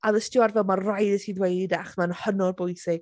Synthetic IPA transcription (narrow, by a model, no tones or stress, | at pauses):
aðəstɪarvɛlˠmarrajdəsʰiːðwejdidaχmanhənɔrbɔjsɪɡ̥